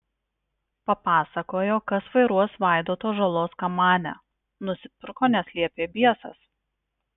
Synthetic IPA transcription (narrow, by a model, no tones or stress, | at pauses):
pɐpɑːsɐkoːjoːkɐsʋɐɪɾuɔsʋɑˑɪd̪oːt̪oːʒɐlˠoːskɐmɑːnʲɛ̰ | nʊsʲɪpʲɪɾkoːnʲɛsʲlʲiɛpʲeːbʲiɛsɐ̰s